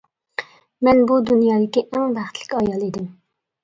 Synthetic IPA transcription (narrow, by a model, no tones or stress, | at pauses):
mɛnbud̪unjɑːd̪ɪkʲiʔɛŋvæχt̪ʰlɪ̥kʲɑjɑlˠed̪ɪm